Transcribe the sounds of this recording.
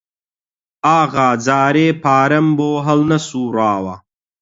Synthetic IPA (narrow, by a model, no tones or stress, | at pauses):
aːɣaːd͡zaːɾeːpʰaːɾɐmboːɦɐlnɐsuːɾaːwa̰